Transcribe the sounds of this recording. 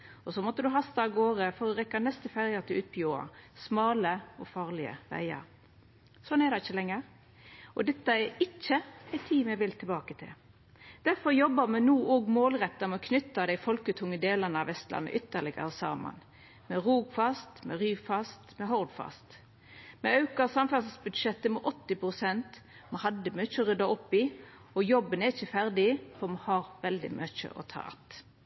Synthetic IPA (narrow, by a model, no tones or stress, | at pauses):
ɔsɔmɔt̪ːəd̪ʉɦɑst̪ɑɑɡoːʁəfɔɾɔʁɛkːɑnɛst̪əfæɾjət̪ʰɪlʉːt̪̚pʰɔjuːɑ̰smɑːləɔfɑːʁlɪə̰ʋæ̰ɪə̰ɾ | sɔnːɛd̪ɛɪçːəlɛŋːəɾ | ʔɔ̰d̪ɛt̪ːəɛɪt͡ʃːəæɪt̪ʰiːmjæʋɪlt̪ʰɪlbɑːkət̪ʰɪ̰l | d̪̥æɾfɔɾjɔbːəmɛnuːʔoːɡmoːlʁɛt̪ːəmɛɔkʰnʏt̪ːɑd̪æɪfɔlkət̪ʰʊŋːəd̪eːlənəɑʋɛst̪lɑ̰nːə̰ʔʏt̪ːəʁlɪɡə̰ɾəsɑ̰ːmɑ̰n | mɛʁuːɡfɑst̪mɛʁyːfɑst̪mɛɦɔʁd̪fɑ̰st̪ | mɛɑʉkɑsɑmfæʁsəsbʉd̪ʃɛt̪ːəmɛʔɔt̪ːɪpʁʊsɛnt̪ | mɑhɑd̪ːəmœt͡ʃːəɔʁʏd̪ɑɔpːɪ | ɔjɔbːənɛɪçəfæɾd̪ɪfɔʁmɑhɑːɾʋɛld̪ɪ̰mœçə̰ʔɔ̰t̪ʰɑ̰ːɑ̰t̪